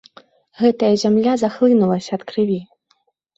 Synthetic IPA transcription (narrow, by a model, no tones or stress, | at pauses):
ɣɛt̪ɐjɐzʲamlʲazaxlˠɨnulˠɐsʲɐːt̪kɾɨvʲi